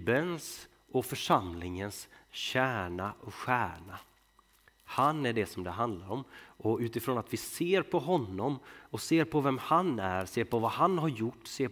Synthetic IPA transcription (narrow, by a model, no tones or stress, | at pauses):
bəns | ɔfœʂamlɪŋənsɕæːɳaʔɔɧæːɳa | hanæɖɛsɔmd̪ɛɦand̪laɾɔmʔɔʉ̟ːt̪ɪfɾoːnat̪vɪseːɾpʰɔɦɔnːɔmɔseːɾpʰɔvɛmhanæɾseːɾpɔvahanɦaɾjʊʈːseː